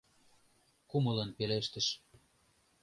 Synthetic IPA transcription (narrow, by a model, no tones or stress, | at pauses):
kumɤ̆lɤ̆npeleʃt̪ə̆ʃ